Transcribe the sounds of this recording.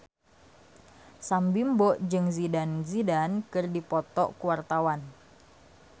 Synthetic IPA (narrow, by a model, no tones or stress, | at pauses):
sambimbɔʔd͡ʒɨŋzidanzidankɨrdipɔt̪ɔ̰ʔkuwart̪awan